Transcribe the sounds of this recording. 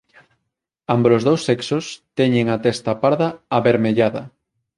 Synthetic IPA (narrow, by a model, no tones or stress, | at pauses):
ambɾozðowsːɛksost̪ɛɲeŋat̪ɛst̪apaɾðɐaβeɾmeʎaðɐ